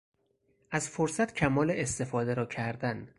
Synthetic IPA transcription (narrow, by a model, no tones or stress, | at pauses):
ʔæzfoɾsæt̪cʰæmɒːleest̪e̞fɒːd̪eɾɒːcʰæɾd̪æn